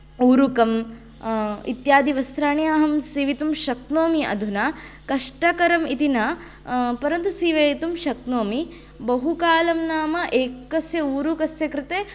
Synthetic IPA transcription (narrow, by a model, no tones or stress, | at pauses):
uːɾukɐm | ḭt̪jaːd̪iʋɐst̪ʰɾaːɳijaːɦɐmsiʋit̪umʃɐknoːmiɐ̰d̪ʱunakɐʂʈɐkɐɾɐmit̪inɐ | pɐɾɐnt̪usiːʋeːt̪umʃɐknoːmi | bɐɦukaːlɐmnaːmɐʔeːkkɐsjɐuːɾukɐsjɐkɾɪt̪eː